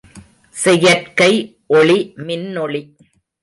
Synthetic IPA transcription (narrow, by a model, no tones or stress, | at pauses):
sɛjɐrkɐɪ | ʔɔɭimɪnːɔɭi